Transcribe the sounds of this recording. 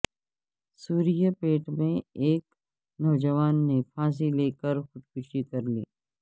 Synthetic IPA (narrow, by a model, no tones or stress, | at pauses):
suːɾijapeːʈmẽeːk | nɔːd͡ʒəʋaːnːepʰãːs̬ileːkəɾxʊd̪̚kʊʃikɐɾlḭː